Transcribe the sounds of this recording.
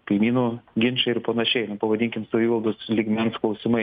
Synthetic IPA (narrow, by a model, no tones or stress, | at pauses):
kɐɪmʲiːnuːɡʲɪnt͡ʃɐɪɾpɐnɐʃʲɛɪnɐpɐʋɐd̪ʲɪŋʲkʲɪmsɐʋʲiːʋɐlˠd̪oːslʲiɡmʲɛnsklˠɐʊsʲɪmɐɪ